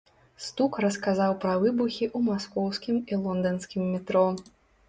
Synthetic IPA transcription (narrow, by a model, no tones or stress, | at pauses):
st̪ukrɐskazawpɾɐvɨbuxʲiʔumaskɔwsʲkʲimilˠɔnd̪ɐnskʲimːʲit̪ɾɔ